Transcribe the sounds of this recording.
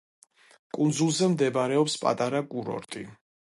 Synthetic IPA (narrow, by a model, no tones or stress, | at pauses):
kʼund̪zulˠzɛmd̪ɛbɾɛɔpspʼa̰t̪ʼaɾaɡʼuɾɔ̰ɾt̪ʼḭ